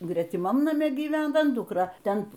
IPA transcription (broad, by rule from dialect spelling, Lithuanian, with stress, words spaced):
ɡrʲɛtʲɪˈmɐm nɐˈmʲɛ ɡʲiːˈʋʲæːnɐ ˈdʊkrɐ ˈtʲɛn